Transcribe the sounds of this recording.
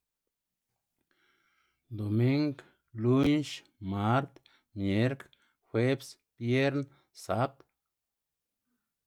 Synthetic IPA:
d̪o˨mi˦ŋɡ | lu˦nʃ | ma˦ɾt̪ | mje˨˦ɾk | xwe˦bs | pje˦ɾn | sa˦t̪

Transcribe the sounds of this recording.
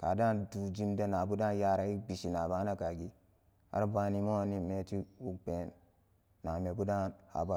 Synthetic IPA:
ka˨da˦ndu˨d͡ʒi˦mda˦na˨bu˦da˦n˦ja˦ɾa˨i˦bi˨ʃi˨na˨ba˦na˦ka˨ɡi˦ | a̰˦ɾa˦ba˦ni˦mo˦ni˦me˨ti˦wu˦ɡ͡be˨nː | a˨me˨bu˦da˦nha̰˨ba˦˨

